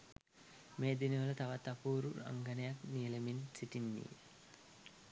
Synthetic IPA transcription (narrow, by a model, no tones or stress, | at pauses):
meːd̪iniʋələt̪aʋat̪ːapuːɾua̰ŋɡanɐjaknijəleminsiʈinːḭ